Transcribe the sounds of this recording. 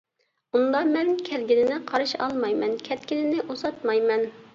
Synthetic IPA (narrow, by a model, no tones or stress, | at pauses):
und̪ɑmɛnkʲʰɛlɡʲinɪnɪqʰɑɾɨʃɑ̰lˠmɑjmɛnkʲʰɛt̪kʲinɪnɪʔozɑt̪mɑjmɛn